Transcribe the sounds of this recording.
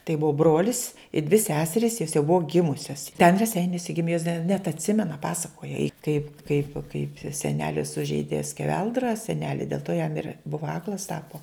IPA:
tɐɪ ˈbʊʋoː ˈbroːlʲɪs ɪ dʲʋʲɪ ˈsʲæːsʲɛrʲɪs joːs jɛʊ ˈbʊʋoː ˈɡʲɪmʊsʲɛs tʲɛn rʲɛˈsʲɛɪnʲuɔsʲɛ ˈɡʲɪmʲeː joːs dɐ nʲɛt ɐtʲˈsʲɪmʲɛnɐ ˈpɑːsɐkoːjɛ ɪ kɐɪp kɐɪp kɐɪp sʲɛˈnʲæːlʲɪ sʊʒʲɛɪdʲeː sʲkʲɛˈʋʲɛlˠdrɐ sʲɛˈnʲæːlʲɪ dʲeːlˠ toː jɛm ɪr ˈbʊʋɐ ˈɑːklˠɐs ˈtɑːpoː

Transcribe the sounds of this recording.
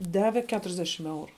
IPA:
ˈdɑːʋʲɛ ˈkʲæːtʊrʲɛzʲˌdʲæːʃʲɪm ˈɛʊrʊ

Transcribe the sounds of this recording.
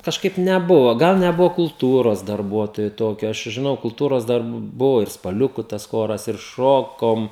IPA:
kɐʃˈkɐɪp nʲɛˈbʊʋoː ˈɡɐlˠ nʲɛˈbʊʋoː kʊlˠˈtuːroːs dɐrˈbuɔtoːjoː ˈtoːkʲoː ˈɐʃ t͡ʃʲɛ ʒʲɪˈnɐʊ kʊlˠˈtuːroːs ˈdɐr ˈbʊʋoː ɪr spɐˈlʲʊkʊ tɐs ˈxoːrɐs ɪr ˈʃoːkoːm

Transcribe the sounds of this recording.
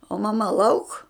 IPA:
oː mɐˈmɐ lˠɐʊk

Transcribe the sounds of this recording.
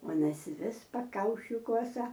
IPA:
ˈuɔnɐs ˈʋʲɪs pɐˈkɐʊʃʲiː ˈkuɔsɐ

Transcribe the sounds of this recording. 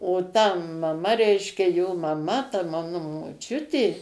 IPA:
oː tɐ mɐˈmɐ ˈrʲɛɪʃʲkʲɛ joː mɐˈmɐ tɐ ˈmɑːnʊ moːˈt͡ʃʲʊtʲeː

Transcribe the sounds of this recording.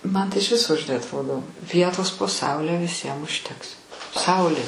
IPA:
ˈmɐn tɐɪ ɪʃ ˈʋʲɪsoː ʒʲɪˈnɐɪ ɐtˈroːdoː ˈʋʲiɛtoːs poː ˈsɐʊlʲɛ ʋʲɪˈsʲiɛm ʊʃʲˈtʲɛks ˈsɐʊlʲeː

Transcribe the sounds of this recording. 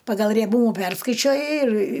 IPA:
ˈpɑːɡɐlˠ rʲiɛˈbuːmʊ ˈpʲɛrskɐɪt͡ʃʲoːjɪ ɪr

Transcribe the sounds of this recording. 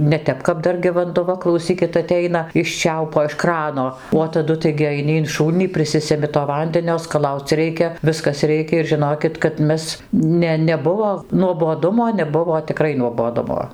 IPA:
nʲɛˈtʲɛp kɐp ˈdɐr ɡʲɪ ʋɐndʊˈʋɐ klˠɐʊˈsʲiːkʲɪt ɐˈtʲɛɪnɐ ɪʃ ˈt͡ʃʲɛʊpoː ɪʃ ˈkrɑːnoː oː tɐˈdʊ tɐɪɡʲɪ ɐɪˈnʲɪ ɪn ˈʃuːlʲnʲiː pʲrʲɪˈsʲɪsʲɛmʲɪ toː ˈʋɐnʲdʲɛnʲoː skɐˈlˠɐʊt͡s ˈrʲɛɪkʲɛ ˈʋʲɪskɐs ˈrʲɛɪkʲɛ ɪr ʒʲɪˈnoːkʲɪt kɐt ˈmʲɛs ˈnʲɛ nʲɛˈbʊʋoː nuɔboːˈdʊmoː nʲɛˈbʊʋoː tʲɪˈkrɐɪ nuɔboːˈdʊmoː

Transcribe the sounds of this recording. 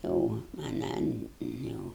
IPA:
oː ɐˈnɐn jɛʊ

